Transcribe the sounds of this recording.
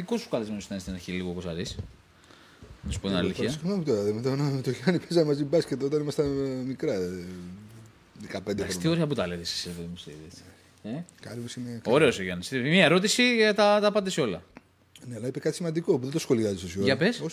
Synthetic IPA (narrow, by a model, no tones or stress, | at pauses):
iko̞su̥kɐlizmeosit̪ɐnist̪inɐɾçiliɣokosɐɾis | nɐsu̥pot̪ina̰liθjɐkmeput̪oɐðemet̪ɐnɐt̪oʝɐnipezɐmɐzibɐsket̪ot̪ɐnimɐst̪ɐmikɾɐ | ðekɐpend̪eɾsot̪oɾeɐput̪ɐleðisi̥sepeðimusḛðe | ekɐlimosinekoɾeoseʝɐnst̪imiɐeɾo̞t̪̬isiʝɐt̪ɐt̪ɐpɐnd̪eseo̞lɐ̰ | ne̞ɐlɐipekɐt̪isimɐnd̪ikopuðet̪osxo̞liɐzisosoɐpeso